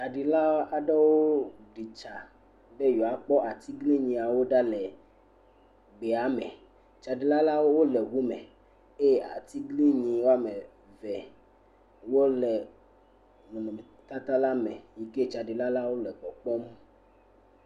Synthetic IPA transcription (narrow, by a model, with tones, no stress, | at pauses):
t͡ʃa˨ɖi˨la˦a˨ɖɛ˦wo˦ɖi˨t͡ʃa˨ | be˦jɔ˨a˨k͡pɔ˦ʔa˨t̪i˦ɡli˦ɲĩ˨a˨wo˦ɖa˦lɛ˨ | ɡ͡be˨a˨˦mɛ˨ | t͡ʃa˨ɖi˨la˦la˦wo˦wo˦lɛ˨ɣu˦mɛ˨ | e˦˨a̰˨t̪i˦ɡli˦ɲĩ˨wo˦a˦me˨ | vɛ˨ | wo˦lɛ˨ | nũ˨nɔ̃˨me˨t̪a˦t̪a˦la˦mɛ˨ji˨ke˦t͡ʃa˨ɖi˨la˦la˦wo˦lɛ˨k͡pɔ˨k͡pɔ˦m˦